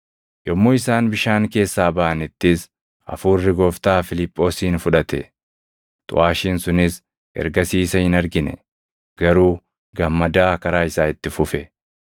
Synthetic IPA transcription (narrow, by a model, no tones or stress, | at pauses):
jɔmːoːɪsaːnbɪʃaːŋke̞ːsːaːbɐʔɐnɪt̪ːɪs | ɐ̰fuːrːɪɡɔːft̪aːfɪlɪpʼːo̞ːsiːnfʊᶑɐt̪ɛ̰ | t̪ʼʊ̰ʔaːʃiːnsʊnɪs | ʔɛ̰ɾɡɐsiːsɐhɪnɐɾɡɪnɛ̰ | ɡ̥ɐɾuː | ɡɐmːɐd̪aːkɐɾaːɪsaːɪt̪ːɪfʊfɛ